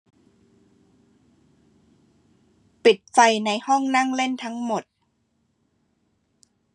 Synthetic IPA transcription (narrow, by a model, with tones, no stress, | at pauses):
pi˨˩t̪̚fa˧jna˧jhɔ˥˩ŋna˥˩ŋle˥˩nt̪ʰa˦˥ŋmo˨˩t̪̚